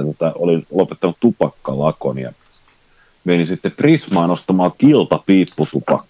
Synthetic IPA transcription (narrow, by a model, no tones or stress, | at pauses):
t̪ot̪ɑolinlopet̪ːɑnut̪t̪upɑkːɑlɑko̰njɑ̰ | meninsit̪ːeprismɑːnost̪ɑmɑːkilt̪ɑpiːpːut̪upɑ̰kːˑ